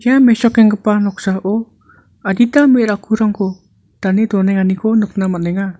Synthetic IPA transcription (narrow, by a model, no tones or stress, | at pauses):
jamɛsɔkɛŋɡəpanɔksaʔɔ | aditameɾakʰuɾaŋkɔ | tanedɔnaanikɔnɯk̚namanɛŋa